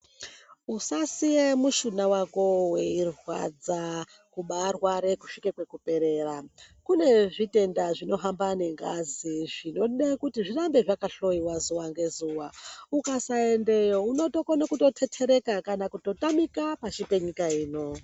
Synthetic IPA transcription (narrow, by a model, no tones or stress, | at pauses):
usasijemuʃunawako̞we̞irwa̰d͡za | kuɓarwaɾe̞ku̥ʂikekwekupe̞ɾe̞rakune̞ʐite̞ndaʐino̞ɦambane̞ŋɡaziʐino̞ɗekutiʐirambe̞ʐakaɬo̞iwazuwaŋɡe̞zuwaukasae̞nde̞jo̞uno̞to̞konakuto̞tʰe̞tʰe̞ɾe̞kakanakuto̞tamikapat͡ʃipe̞ɲikaiːno̞